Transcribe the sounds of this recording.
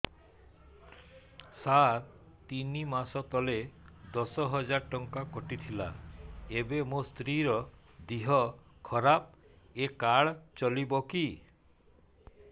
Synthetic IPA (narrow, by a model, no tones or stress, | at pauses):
saɾ | t̪inimasɔt̪ɔled̪ɔsɔɦɔd͡ʒaɾʈɔŋkakɔʈit̪ʰila̰ebemost̪ɾiɾɔ | d̪iɦɔkʰɔɾap̚ | ekaɽt͡ʃɔlibɔki